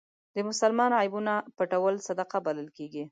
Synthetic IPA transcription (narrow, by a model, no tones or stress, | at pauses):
d̪əmʊsalmɑnɑjɪbunapaʈawəlsad̪aqabaləlkeɡi